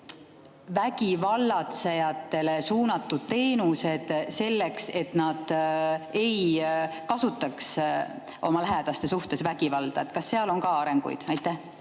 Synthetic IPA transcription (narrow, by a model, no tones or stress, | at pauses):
væɡivɑlːɑt̪sejɑt̪ːˑe̞le̞suːnɑt̪ːud̪̥̚t̪e̞ːnuse̞d̪̥se̞lːe̞kse̞t̪nɑd̪̥ | e̞jkɑsut̪ːˑɑks | ʔo̞mɑlæɦed̪̥ɑst̪e̞suht̪e̞svæɡ̥ivɑld̪̥ɑet̪ːˑkɑsːe̞ɑloŋkɑɑɾe̞ŋɡ̥ṵjd̪̥ɑjt̪ːˑæh